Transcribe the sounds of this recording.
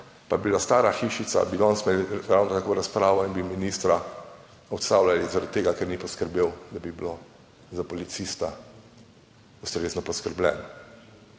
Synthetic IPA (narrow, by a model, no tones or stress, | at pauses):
pabilast̪aːɾaxiʃit̪sa̰bid̪ɔnst̪melɾawnɔt̪akoɾaspɾaːʋɔinbiminist̪ɾa | ɔt̪st̪awlalizaɾat̪̚t̪ːeːɡakɛɾnipɔskəɾbeːwd̪abibilo | zapɔlit̪sist̪a | ust̪ɾeːznɔpɔskəɾblɛ̰ːn